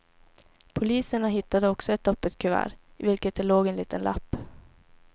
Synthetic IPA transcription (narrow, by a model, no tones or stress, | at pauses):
pʰʊliːsəɳaɦɪt̪ːad̪əɔksɔɛt̪̚d̪ɔpːət̪kʰɵvæ̰ːɾvɪlkət̪̚d̪ɛloːɡɛnliːt̪ʰənlʔa̰pː